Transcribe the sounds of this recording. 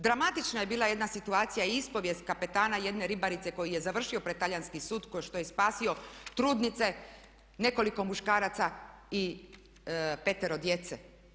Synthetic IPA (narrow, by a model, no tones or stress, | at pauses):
d̪ɾamat̪it͡ʃnaje̞biːlˠaje̞d̪nasit̪uaːt̪sijaiispo̞ʋje̞st̪̚kape̞t̪aːnaje̞d̪ne̞ɾibaɾit̪se̞ko̞jije̞zaʋr̩ʃio̞pɾet̪ːaʎanskisuːd̪koʃt̪o̞jespaːsio̞t̪ɾuːd̪nit̪se̞ | ne̞ko̞liko̞muʃkaːɾat̪sai | pe̞t̪eɾo̞d̪je̞t̪se